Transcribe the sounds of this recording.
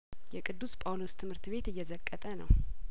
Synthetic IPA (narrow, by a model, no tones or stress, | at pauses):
jɛkʼɨd̪ːuspʼawlost̪ʰɨmhɨɾt̪βe̞t̪ɨjːɛzəkʼːət̪ʼənəw